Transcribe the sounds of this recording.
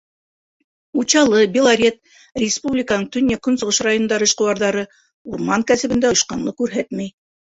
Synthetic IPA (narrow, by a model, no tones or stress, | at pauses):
ut͡ɕɑlˠɤbʲɪlˠaɾʲet̪̚ | rʲɪspublʲɪkanɤɴt̪ɵ̆nʲːækɵ̆nsŏʁɤʃrajonnd̪ɑɾɤ̆ːʃqɤ̆wɑɾðɑɾɤ | uɾmɑŋkæsɘ̆βɘ̆nd̪æjɤ̆ʃqɑnlˠɤkʉɾɦæt̪mæj